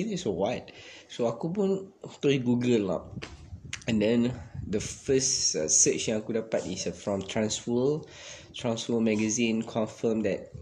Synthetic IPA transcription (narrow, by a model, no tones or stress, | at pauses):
ĩnɛsowaɪt̚soakup̬ũntɔiɡuɡəlːɔ̰p̚ | ɛ̃ndɛ̃ndəfəsʌsət͡ʃĩŋakudapatisfɹɔ̃mtʰɹãnsfɔ | tʰɹãnsfɔmɛɡəzĩnkʰɔ̃nfəmdɛt̚